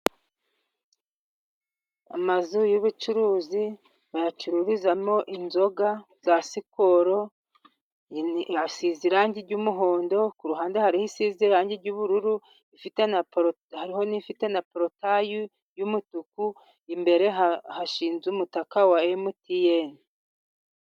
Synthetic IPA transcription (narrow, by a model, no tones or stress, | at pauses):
a̰mazujoβut͡ʃuɾuːzi | βajat͡ʃuɾuɾizamo̞ʔinzo̞ɡa | z̥asikoɾo̞ | asiziɾaɲɟiɾɟumuɦo̞ːndo̞kuɾuɦaːndehaɾihisiziɾaːɲɟiɾɟuːβuɾuɾu | ifitena | haɾiho̞nifite̞napɾotaju | jumutuku | imbe̞ɾe̞haʃiːnzumutakawaemutijeni